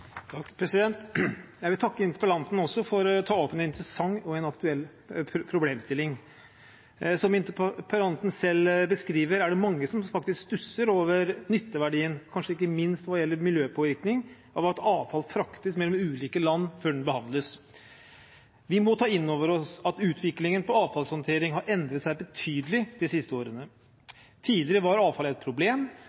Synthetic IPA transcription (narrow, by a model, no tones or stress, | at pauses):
pʰɾɛsɪd̪ɛnt̪jæɪʋɪlt̪ʰɑkːəɪnt̪əpəɾɑnt̪n̩ɔsːɔfɔɾt̪ʰɑːɔpənɪnt̪ɾəsɑŋːɔɛnɑk̚t̪ʉɛlːʰ | pʰɾʊbleːmst̪ɪlɪŋ | sɔmɪnt̪əpʰəɾɑnt̪n̩sɛlbəskɾiːʋəɾæɖɛmɑŋːəsɔmfɑk̚t̪ɪskst̪ʉsːəɾoːʋəɾnʏt̪ːəʋæɖiːənkʰɑnʂəɪkːəmɪnst̪ʋɑjɛlːəɾmɪljøːpʰɔʋɪɾknɪŋ | ʔɑʋɑt̪ɑːʋfɑlfɾɑkt̪əsmɛlːɔmʉːliːkəlɑnːføːɖɛnbəhɑnd̪ləs | ʋɪmɔt̪ʰɑːɪnːoːʋəɾɔsɑt̪ʉːt̪ʰʋɪklɪŋənpɔɑːʋfɑlshɔnt̪ʰeːɾɪŋɦɑɾʔɛnd̪ɾət̪sæɪbət̪ʰyːd̪əlɪd̪ɪsɪst̪əoːɾənə | t̪ʰiːlɪɾəʋɑɾɑːʋfɑlɛt̪̚pʰɾʊbleːm